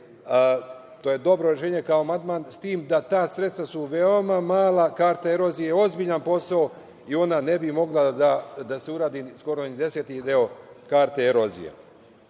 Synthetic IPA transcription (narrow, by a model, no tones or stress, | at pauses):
t̪oːje̞d̪o̞bɾo̞ɾe̞ʃ̬e̞ːɲekaomand̪maːnst̪iːmd̪at̪aːsɾet̪st̪ʋasuʋe̞o̞mamaːlakaːɾt̪aeɾo̞zijeo̞zbiʎanpo̞sao | io̞nane̞bimo̞ɡlˠad̪ad̪aseuɾaːd̪isko̞ɾonid̪e̞set̪id̪eo̞kaːɾt̪eeɾo̞zḭjḛ